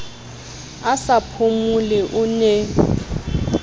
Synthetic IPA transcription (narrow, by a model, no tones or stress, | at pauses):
asapʰumulɛʔʊne